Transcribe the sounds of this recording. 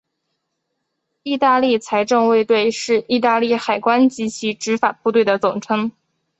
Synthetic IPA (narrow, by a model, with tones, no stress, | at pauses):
i˥˧t̪a˥˧li˥˩t͡sʰa˧˥ɪʈ͡ʂɤ˥˧ŋwe˥˧ɪt̪we˥˧ɪʂɻ̩˥˧i˥˧t̪a˥˧li˥˩xa˨˩ɪkwa˥nt͡ɕi˧˥t͡ɕʰi˧˥ʈ͡ʂɻ̩˧˥fa˨˩pu˥˧t̪we˥˩ɪd̪ə˩t͡sʊ˨˩ŋʈ͡ʂʰɤ˧˥ŋ